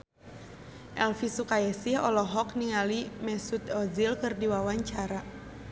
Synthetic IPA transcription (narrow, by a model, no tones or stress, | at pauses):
ʔɛlfisukajɛsihɔlɔɦɔk̚niŋalimɛsut̪ɔzilkɨrdiwawaɲt͡ʃaɾa